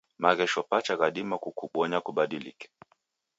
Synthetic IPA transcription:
maɣɛʃɔpat͡ʃaɣaɗimakukuɓɔɲakuɓaɗilḭkɛ̥

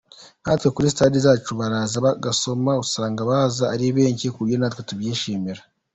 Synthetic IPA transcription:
hatwe̞kuɾisitaːdizaːt͡ʃuβaɾaːzaβaɡaso̞mausaːŋɡaβaːzaːɾiβe̞ːɲcikuɾjonaːtwetubjiːʃiːmiɾa

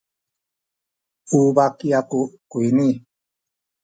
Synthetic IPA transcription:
ubakiakukuini

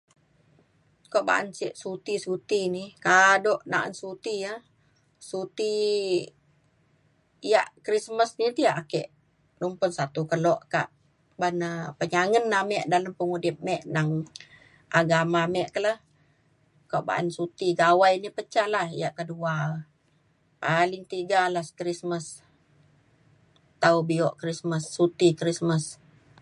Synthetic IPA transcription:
koʔba̰ʔa̰nsiʔsut̪isut̪inikadɔʔnaʔa̰nsut̪ijə | sut̪i | jaʔkɾisməsnit̪iaʔakɛ̰ʔ | numpʊnsat̪ukəlɔʔka̰ʔ | banapəɲaŋənːamɛʔdaləmpəŋudɪp̚mɛʔnaŋ | ʔaɡamamɛʔkələh | koʔba̰ʔa̰nsut̪iɡawajnipət͡ʃahlahḭjaʔkədua | palɪŋt̪iɡalaskɾisməs | t̪aubiɔʔkɾisməsːut̪ikɾisməs

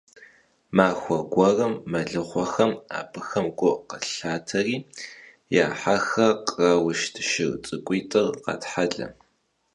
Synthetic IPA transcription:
maːxʷɔɡʷɔrɐmːɐɮɨχʷɔxɐma̰ːpʰɨxɐmɡʷʊqəɬaːtʰɐriː | ja̰ːħaxɐqʼrɐwʊʃtʰʃɪrt͡sʼɨkʷʼijtʼɨrqɑ̰tħaɮɐ̰

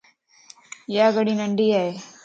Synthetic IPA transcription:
jaːɡəɽiːnəɳɖiːaːeː

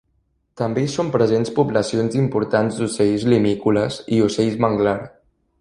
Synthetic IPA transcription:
t̪əmbesompɾəzenspubləsionzimpuɾt̪anzd̪usɛjzlimikuləziusejzməŋɡlaɾ

